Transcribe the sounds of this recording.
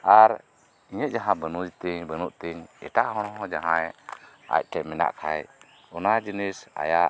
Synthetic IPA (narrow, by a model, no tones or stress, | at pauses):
aɾ | iɲəʔ̚d͡ʒaɦãbənud͡ʒt̪əɲbənuʔt̪əɲɛ̰ʈaʔɦɔ̃ɽ̃ɔɦɔ̃d͡ʒaɦãɛ | a̰c̚ˀʈɛmɛna̰ʔkʰaj | ɔnad͡ʒinisa̰jaʔ